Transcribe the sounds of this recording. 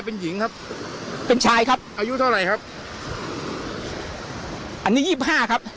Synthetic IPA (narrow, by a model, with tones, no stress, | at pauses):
jpe˧nji˨˩˦ŋkʰa˦˥p̚pe˧nt͡ɕʰaː˧jkʰa˦˥p̚ʔaː˧ju˦˥t̪ʰa˥˩wɾa˧jkʰa˦˥p̚ | ʔa˧nːiː˦˥jiː˥˩p̚hɦaː˥˩kʰa˦˥p̚